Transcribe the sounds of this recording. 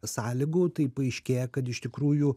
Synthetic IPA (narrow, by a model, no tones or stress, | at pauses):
sɑːlʲɪɡoːt̪ɐɪpɐɐɪʃʲkʲeːjɛkɐt̪ɪʃt̪ʲɪkɾuːju